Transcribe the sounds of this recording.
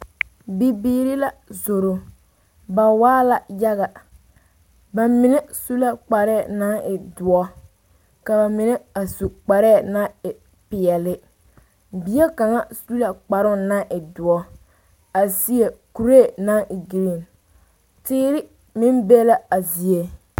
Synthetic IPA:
bi˨biː˨˦ɾɪ˦la˦zo˨ɾo˨ | ba˨waː˦la˦ja˦ɣa˨ | ba˨mɪ˨nɛ˦su˦la˦k͡pa˨ɾɛ˦˨na˦ŋʔɪ˨dʊ˨ɔ˦ | ka˨ba˨mɪ˨nɛ˦a˨su˨k͡pa˨ɾɛː˦˨na˦ɪ˨ | pɪ˨ɛ˨lɪ˦ | bi˨˦e˦ka˨ŋa˦su˦la˨k͡pa˨ɾʊ˦˨na˦ʔɪ˨dʊ˨ɔ˦ | a˨zi˦e˨ku˨ɾe˦˨na˦ʔɪ˨ɡi˨ɾi˦˨n | tɪː˦ɾɪ˦ | mɪ˦mbe˦la˦a˨zi˨e˦

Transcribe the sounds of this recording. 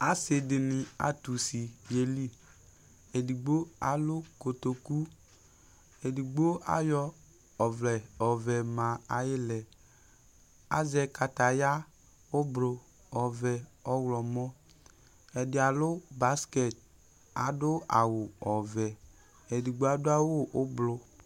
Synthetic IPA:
a˦se˨dɪ˨nɪ˨a̰˨tu˨si˨je˨li˦ | e˨di˨ɡ͡bo˦a˨lʊ˦ko˨to˨ku˦ | e˨di˨ɡ͡bo˦a̰˦jɔ˦ | ɔ˨vlɛ˨ɔ˨vɛ˨mã˨a˨jɪ˦lɛ˨ | a̰˨˦zɛ˨ka˨ta˨ja˦ | ʊ˦blo˨ | ɔ˨vɛ˨ɔ˦wlɔ˨mɔ˦ | ɛ˨dɪ˨a˨lʊ˦ba˦skɛ˦˨t̚ | a̰˨dʊ˦a˨wʊ˨ɔ˨vɛ˨ | ɛ˨di˨ɡ͡bo˦a˦dʊ˦a˦wo˦ʔʊ˦blʊ˧

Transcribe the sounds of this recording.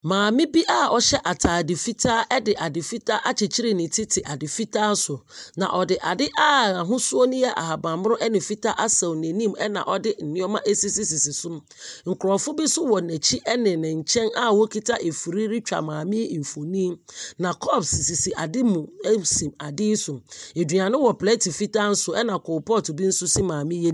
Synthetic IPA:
mãː˨mɪ̃˦bi˦ʔa˦ɔ˦ɕɛ˦ʔa˨tʰaː˨dɪ˨fi˦tʰa˦ʔɛ˦dɪ˨ʔa˨dɪ˨fi˦tʰa˦ʔa˦t͡ɕʰɪ˨t͡ɕʰi˦ɾɪ˦˨nɪ̃˨tʰɪ˦tʰɪ˨ʔa˨dɪ˨fi˦tʰaː˦sʊ˨nã̰˨ʔɔ˨dɪ˨ʔa˨dɪ˦ʔa˦a˨ɦʊ̃˦sʊ˦ɔ˦nʊ̃˦jɛ˦ʔa̰˨ha˨bã˨mm˦ɾʊ̃˦ʔɛ˦nɪ̃˨fi˦tʰa˦ʔa˦sa˨nɛ̃˨nĩ˦mɛ˦nã̰˨ʔɔ˦dɪ˦n̩˨nɪ̃˦ɔ˦mã˦ʔe˦si˦si˦si˨si˨sʊ˦m̃˦ | ŋ̩˨kʰɾɔ˨fʊ˦bi˦sʊ˦wɔ˨næ˨t͡ɕʰi˦ʔɛ˦nɪ̃˨nɪ̃˨ɲ̩˨t͡ɕʰɛ̃˦na˦wo˦kʰi˦tʰa˦ʔe˨fu˨ɾi˦ɾi˦t͡ɕᶣa̰˨mãː˨mɪ̃˦˨fo˨nĩ˦nã˨kʰɔ˦˨bsi˨si˨si˨ʔa˨dɪ˦mũ˨˦sĩ˨ma˨dɪ˦sʊ˨e˨di˨ã˨nʊ̃˦wɔ˨plɛ˦tʰi˨fi˦tʰa˦n̩˦sʊ˨ɛ˦nã˨kʊ˨pɔ˦˨tʊ˨bi˦n̩˦sʊ˦si˦mãː˨mɪ̃˦je˦

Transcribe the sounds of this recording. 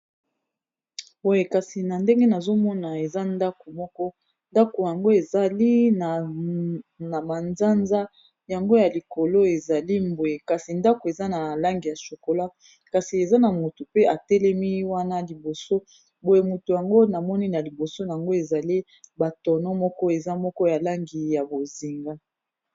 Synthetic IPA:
bo˨˦je˨ka˨si˨na˨nde˦ŋɡe˦na˨zo˦mɔ˦na˨e˨za˦nda˦ko˨mɔ˦kɔ˦ | nda˦ko˨ja˨ŋɡo˦e˨za˨li˦na˨ | na˨ba˨nza˦nza˦ | ja˨ŋɡo˦ja˨li˨ko˨lo˦e˨za˨li˦mbo˨e˨ka˨si˨nda˦ko˨e˨za˦na˨la˦ŋɡi˨ja˨ʃo˨ko˨la˦ | ka˨si˨e˨za˦na˨mo˨tu˨pe˦a˨tɛ˦lɛ˦mi˦wa˦na˦li˨bo˨so˦ | bo˨e˨mu˨tu˨ja˨ŋɡo˦na˨mɔ˦ni˦na˨li˨bo˨so˦na˨a˨ŋɡo˦e˨za˨li˦ | ba˨tɔ˨nɔ˦mɔ˦kɔ˦e˨za˦mɔ˦kɔ˦ja˨la˦ŋɡi˨ja˨bo˨zi˨ŋɡa˦

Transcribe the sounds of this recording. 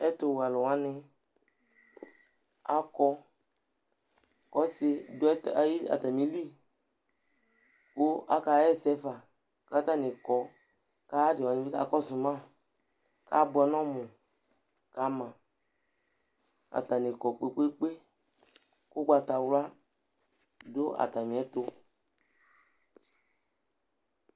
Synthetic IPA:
ɛ˦tʊ˨wa˨lʊ˨wa˨˦nɪ˧ | a˨kɔ˧ | kɔ˦sɪ˧dʊ˦ɛ˦ta˨ji˦a̰˨ta˨mi˨˦li˦ | kʊ˦a̰˦ka˧˦ɛ˦˨sɛ˦fa˨ | ka˦ta˦nɪ˨kɔ˨ka˦dɪ˨a˨n˨˦i˦ka˨˦kɔ˦sʊ˨mã˦˨ | ka̰˦bʊ˧˦ɛ˧nɔ̃˦mʊ̃˨ | ka˨˦mã˨ | a̰˨ta˨nɪ˨kɔ˨k͡pe˦k͡pe˦k͡pe˦ | ku˦ɡ͡ba˧ta˨wla˦ | dʊ˦a̰˨ta˨mĩ˨ɛ˨˦to˧

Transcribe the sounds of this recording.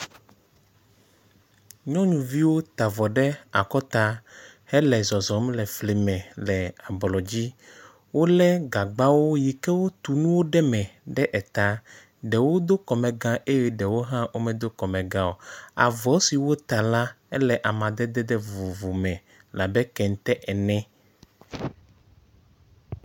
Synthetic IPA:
ɲɔ̃˦ɲũ˨vi˦wo˦t̪a˨vɔ˨ɖɛ˦a˨kɔ˦t̪a˦hɛ˦lɛ˨zɔ˨zɔ˨mlɛ˨fle˨mɛ̃˨lɛ˨a˨blɔ˨d͡ʑi˦ | wo˦lɛ˦ɡa˨ɡ͡ba˦wo˦ji˨kɛ˦wo˦t̪u˨nũ˦wo˦ɖɛ˦mɛ̃˨ɖɛ˦ʔɛ˨t̪a˨ | ɖɛ˨wo˦d̪o˦kɔ˨mɛ̃˨ɡã˦ʔe˦jɛ˦ɖɛ˨wo˦ɦã˦wʔo˦mɛ̃˨d̪o˦kɔ˨mɛ̃˨ɡã˦wo˨a̰˨vɔ˨˦si˨wo˦t̪a˨la˦ | ɛ˦lɛ˨ʔa˨mã˨d̪ɛ˦d̪ɛ˦d̪ɛ˦vu˨vu˨mɛ̃˨ | la˨bɛ˦kɛ˨ŋ˦t̪ɛ˦ʔɛ˨nɛ̃˦

